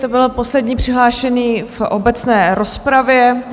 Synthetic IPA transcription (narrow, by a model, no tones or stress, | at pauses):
t̪obɪlopo̞slɛdɲiːpr̝̥ɪɦlaːʃɛniːfʔobɛt͡snɛːɾospɾavjɛ